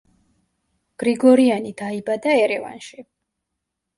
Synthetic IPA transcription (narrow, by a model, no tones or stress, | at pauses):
ɡ̥ɾiɡɔɾianid̪aibad̪aɛɾɛva̰nʃi